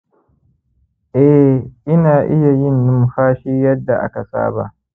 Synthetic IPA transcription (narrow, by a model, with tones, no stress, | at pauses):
ʔɛ˦ʔɪ˦naː˨ʔɪ˦ja˨jɪ˦nːʊ˦mɸaː˦ʃiː˦jɐ˦dːa˨ʔa̰˦ka˨sa̰ː˦ba̰˨ʔ